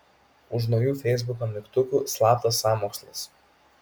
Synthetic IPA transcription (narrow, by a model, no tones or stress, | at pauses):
ʊʃ̬nɔʊjuːfʲɛɪzbʊkomʲɪkt̪ʊkuːslˠɑːp̚t̪ɐsːɑːmoːkslˠɐ̰s